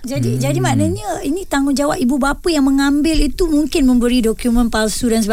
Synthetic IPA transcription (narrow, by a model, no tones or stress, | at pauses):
d͡ʒadid͡ʒadimaʔnəɲãinĩt̪aŋʊnd͡ʒawap̚ibubapəjaŋmə̃ŋambɪlit̪umuŋkɪnmə̃mbəɾidokjumə̃npalsudansəba